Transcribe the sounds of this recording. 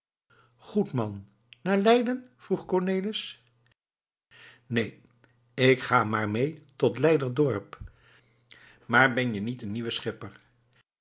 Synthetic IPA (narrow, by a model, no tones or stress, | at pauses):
χutmɑnː | aːɹlɛjdənv̥ruχkɔɹneːləs | nej | ɪkχaːmaːɹmejtɔtlɛjdəɹdɔɹp | maːɹbɛnjənitənːiʋəsχɪpəɹ